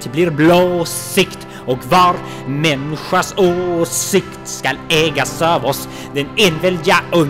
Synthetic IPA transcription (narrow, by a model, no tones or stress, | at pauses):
t̪ʰbliɾbloːsɪkt̪ | ɔkvɑːɾ | mɛnɪɧaʂoːsɪkt̪skalɛːɡasøːvɔs | d̪ɛneːnvɛld̪ɪɡaɵ